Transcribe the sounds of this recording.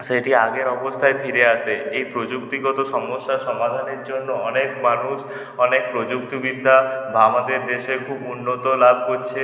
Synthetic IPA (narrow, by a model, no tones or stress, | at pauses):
seʈiaɡeɾɔbɔst̪ʰaebʰʱiɾeaseejpɾod͡ʒukt̪iɡɔt̪ɔsɔmɔsːasɔmad̪ʱaneɾd͡ʒonːoɔnekmanus | ɔnek̚pɾod͡ʒukt̪ibid̪ʱːabʱamad̪eɾd̪eʃekʰubunːot̪olab̚ʱkoɾt͡ʃʰe